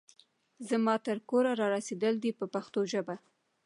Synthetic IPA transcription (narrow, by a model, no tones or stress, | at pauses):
zəmɑt̪əɾkoɾaɾɑɾased̪əld̪ipəpaxt̪oʒəba